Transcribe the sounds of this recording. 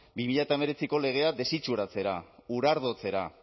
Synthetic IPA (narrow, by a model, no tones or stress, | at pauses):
bimiʎaet̪aeme̞ɾe̞t͡siko̞le̞ɣ̞e̞ad̪e̞sit͡ʃuɾat͡se̞ɾauɾaɾðo̞t͡se̞ɾa